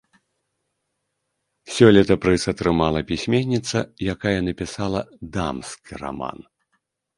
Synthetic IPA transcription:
sʲɔlʲit̪ɐpɾɨsɐt̪ɾɨmalˠɐpʲisʲmʲenʲːit̪sɐ̰jakajɛnɐpʲisalˠɐd̪amskʲira̰ma̰n

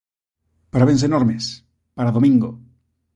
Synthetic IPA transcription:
paɾaβens̬enoɾmes | paɾaðomĩŋɡo

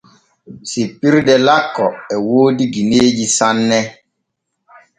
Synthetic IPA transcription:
sipːiɾdɛlakːɔɛwoːdiɡineːd͡ʒisanːɛ

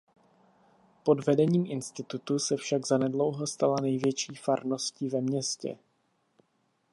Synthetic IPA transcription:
po̞dvɛdɛɲiːmʔɪnst̪ɪt̪ut̪usɛfʃaɡzanɛdlo̞wɦo̞st̪alanɛjvjɛt͡ʃiːfaɾno̞sciːvɛmɲɛscɛ̰

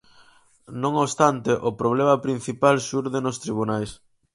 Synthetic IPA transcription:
nõŋoβst̪ant̪eʔʊpɾoβ̞lemɐpɾin̟θipalʃuɾðenʊst̪ɾiβ̞unajs

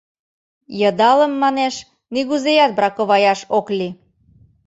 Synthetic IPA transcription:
jɤ̆d̪ɑlə̆mːɑneʃ | niɣuzejɑt̪̚bɾɑkoβɑjɑʃokli

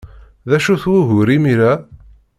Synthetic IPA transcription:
ðæʃuθwuɣʊɾimiɾæ

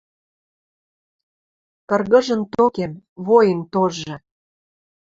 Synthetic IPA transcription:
kɤ̆rɣə̆ʒə̆nt̪okemβojənt̪oʒːɤ̆

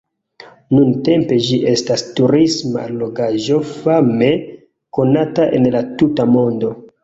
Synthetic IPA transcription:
nunte̞mpe̞d͡ʒiʔe̞stastuɾisma̰loɡaʒo̞fame̞ | ko̞nataʔe̞̰nlatutamo̞ndo̞

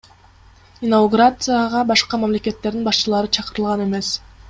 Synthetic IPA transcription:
inauɡuɾat̪sɨjaʁɑbɑʃqɑmamle̞ke̞t̪ːeɾd̪inbɑʃt͡ʃɯlˠɑɾɯt͡ʃʰɑqɯɾɯlˠʁɑne̞me̞s

